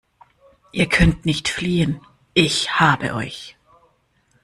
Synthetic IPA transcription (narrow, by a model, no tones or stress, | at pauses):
ʔiːɐkʰœntnɪçtfliːən | ʔɪçhaːbə̰ʔɔ̰ʏç